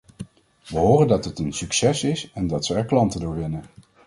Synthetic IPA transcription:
ʋəɦoːrəndɑtɦətənsyksɛsɪsɛndɑtsəɛɹklɑntədʊːɹʋɪnən

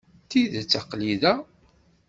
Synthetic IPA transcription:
θiðt͡sːaqliðæ

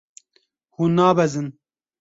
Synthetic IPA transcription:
hunaːbɛzɨn

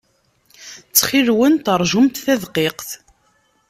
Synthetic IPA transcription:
t͡sːχiɾwənt̪əɾˤʒʊmt̪θæðqeqθ

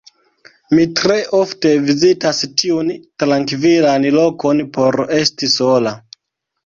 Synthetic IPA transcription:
mitɾe̞ʔo̞fte̞vizitastiuntɾaŋkvilanlo̞ko̞npo̞ɾe̞stiso̞la

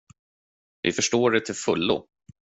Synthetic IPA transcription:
vɪ̰fœʂʈoːɖɛt̪ʰɪlfɵlːʊ̰

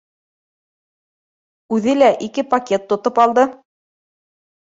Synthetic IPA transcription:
ʉðɘlæʔikɘpɐkʲe̞t̪ːŏt̪opɑlˠd̪ɤ

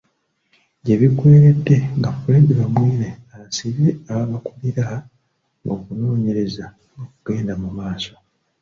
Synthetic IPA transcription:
ɟeβikwe̞ːɾe̞dːe̞ŋɡafuɾeːndiβamwiːneaβasiβeaβaβakuliɾaa | ŋɡokuno̞ːɲe̞ɾe̞za | nokuɡ̥e̞ːndamumaːso̞̥

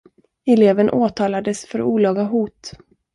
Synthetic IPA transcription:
ɛleːvənʔoːt̪ʰɑːlad̪əsfœɾuːlɑːɡaɦuːt̪

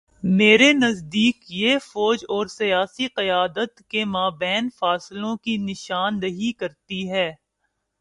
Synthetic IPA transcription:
meːɾenɐzd̪iːkjeːfɔːd͡ʒɔːɾsɐjaːsiqɐjaːd̪ət̪kemaːbɛːnfaːslõkinɪʃaːnɾɐɦikɐɾt̪iɦɛː

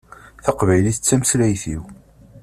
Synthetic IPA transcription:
θɑqvæjliθət͡sːæmslæjθiw

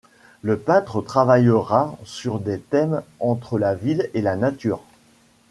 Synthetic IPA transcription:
ləpɛ̃t̪χət̪χavajəʁasyʁd̪et̪ɛmɑ̃t̪χəlavilelanat̪yːʁ

